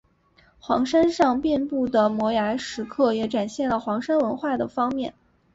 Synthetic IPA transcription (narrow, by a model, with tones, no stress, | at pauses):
xwɑ̰˧˥ŋʂa˥nʂɑ˥˧ŋpjɛ˥˧npu˥˩d̪ə˩mwɔ˧˥ja˧˥ɪʂɻ̩˧˥kʰɤ˥˩jɛ˨˩˥ʈ͡ʂa˨˩nɕjɛ˥˩nlə˩xwɑ˧˥ŋʂa˥nwə˧˥nxwa˥˩d̪ə˩fɑ˥ŋmjɛ˥˩n